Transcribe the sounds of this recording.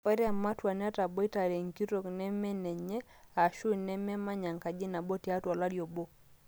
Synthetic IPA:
ɛ˦ɾɛ˦a˨ma˦twa˨nɛ˦a˦ta˨bɔ˦i˦ta˨ɾe˨ŋ˨ki˦ɾo˨knɛ˦mɛ˦nɛ˨ɲɛ˦ | a˨ʃu˦˨nɛ˦mɛ˦ma˦ɲa˨ŋka˨d͡ʒɪ˦na˨bo˦ti˨a˦twa˨la˦djo˨bo˦

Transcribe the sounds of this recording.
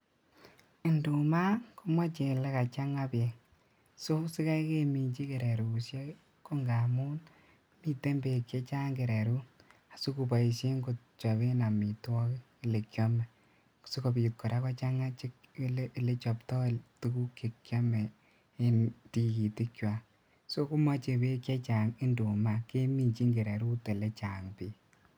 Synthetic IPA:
ɪ˨ndu˨ma˦ko˦mwa˦t͡ʃe˨lɛ˦ka˨t͡ʃa˦ŋa˦pe˨ | so˦sɪ˦ka˦jke˦mi˨ɲt͡ʃi˦ke˨ɾe˨ɾu˨sjɔ˦ | ko˦ŋɡa˨mu˦n | mi˦te˦mbe˨kje˦t͡ʃa˦ŋɡe˨ɾe˨ɾu˦a˨su˦ku˨pa˨i˨se˦ŋɡo˨t̚ | t͡ʃɔ˨βe˦na˨mi˨twɔ˦ki˦˨le˨kjɔ˦mɛ˨ | kso˦ko˧pi˨t̚kɔ˨ɾa˦kɔ˦t͡ʃa˦ŋa˦t͡ʃɪ˦klle˦t͡ʃɔ˨ptɔ˦˨tu˦ku˦ke˨kjɔ˦mɛ˨ | e˦nti˨ki˨tɪ˦kjwa˨ | so˦ku˦ma˦t͡ʃe˨be˦kʲje˦t͡ʃa˨ŋi˦ndo˨ma˨ke˦mi˨nt͡ʃi˦ŋɡe˨ɾɛ˨ɾu˦te˨le˦t͡ʃa˨ŋpiː˨

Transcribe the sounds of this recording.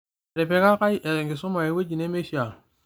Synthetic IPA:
ɾe˨pe˨˦ka˦ka˦i˦ʔe˨ɾe˨ŋɡi˨su˦ma˨e˨we˦d͡ʒi˨ne˦me˦ʃi˦a˨

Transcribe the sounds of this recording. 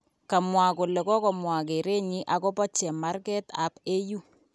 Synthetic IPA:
ka˨mwa˨ko˨lɛ˨kɔ˦kɔ˨mwa˨k̬e˨ɾe˦ɲi˦ʔa˨kɔ˦pɔ˦t͡ʃɛ˨ma˦rkɛ˦ta̰˨pe˦ju˦

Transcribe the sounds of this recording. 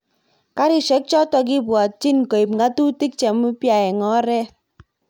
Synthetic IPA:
ka˦ɾi˨ʃɛ˨˦k̚t͡ʃɔ˦tɔ˧k̬i˦bwɔ˨t̚t͡ʃi˦nkɔ˨i˨pŋɡa˦tu˦ti˦k̚t͡ʃɛ˨mu˦pja˨ɛ˨ŋɔ˦ɾɛ˦

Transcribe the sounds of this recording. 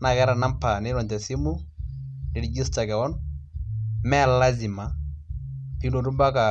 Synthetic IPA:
na˨kɛ˦ɾa˨na˦mpa˨nɪ˦ɾɔ˨ntɛ˨si˦mu˦ | ɪ˨ɾd͡ʒi˦sta˨kɛ˨wɔ˦n | mɛ˦la˦zi˨ma˨ | pi˦no˨ɾu˦ba˦ka˨

